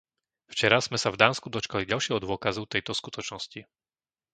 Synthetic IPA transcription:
ft͡ʃɛɾaz̥mɛsavd̪aːnskud̪ɔt͡ʃkaliɟalʃɪɛɦɔd̪ʊɔkazut̪ɛjt̪ɔskut̪ɔt͡ʃnɔsci

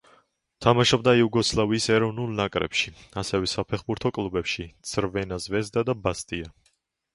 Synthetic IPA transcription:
t̪ʰamaʃɔbd̪aiuɡɔslˠaviːsɛɾɔvnulˠnakʼɾɛ̰pʃiasɛvɛsapʰɛχbuɾt̪ʰɔkʼlˠubɛpʃit̪sʰɾvɛnazvɛzd̪ad̪abast̪ʼia

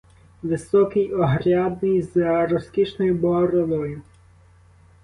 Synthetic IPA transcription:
ʋɪsɔkɪjɔɦɾʲad̪nɪjzɾɔskʲit͡ʃnɔjʊbɔɦɔɾɔlˠɔjʊ

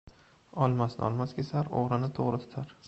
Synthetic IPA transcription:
ɒlˠmasnɪ̰ɒ̰lˠmaskʲesaɾo̰ʁɾɪnɪt̪ʰoʁɾɪt̪ʰʊ̥t̪ʰaɾ

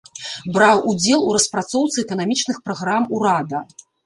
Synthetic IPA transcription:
bɾawʔud͡zʲɛlˠuɾɐspɾat̪sɔwt̪sɨɛkɐnamʲit͡ʂnɨxpɾaɣɾamuɾad̪ɐ

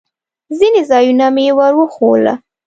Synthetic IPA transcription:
zinezɑjunamjewaɾwəxola̰

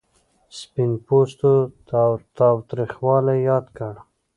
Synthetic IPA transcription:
spinpost̪ot̪t̪ɑwt̪ɾixwɑlajɑd̪kəɽ

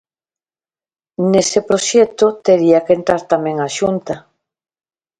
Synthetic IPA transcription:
nesepɾoʃɛt̪ot̪eɾiakent̪ɾaɾt̪amẽŋaʃunt̪a

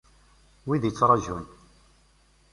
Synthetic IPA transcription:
wiðjət͡sːɾˤɑʒun

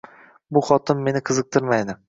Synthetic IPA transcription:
bʊχɒt̪ʰɪmːe̞nɪqʰɨzɨq̚t̪ʰɪɾmajd̪ɪ

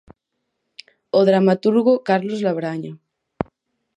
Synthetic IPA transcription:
oðɾamat̪uɾɣokaɾlozlaβɾaɲa

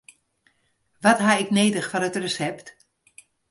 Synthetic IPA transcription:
ʋɔtɦaɪkneːdəxfɔnətrəsɛpt

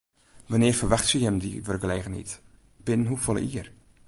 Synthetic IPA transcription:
ʋanɪːəfərʋaxtsyhɛmdḭʋərɡəleːɣənḭt | b̥ɪnənɦufɔlˠə̰ʔiər

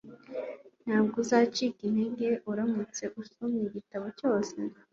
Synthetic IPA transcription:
n̥haːb̚ɡuzaːt͡ʃikineŋɡe̞ʔuɾamut͡se̞ʔusomiɟitaβo̞co̞ːse

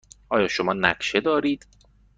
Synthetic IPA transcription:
ʔɒːjɒːʃomɒːnæ̰kʃed̪ɒːɾiːd̪̥

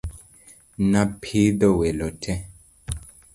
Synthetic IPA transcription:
nãpʰidɔwelɔtʰɛ

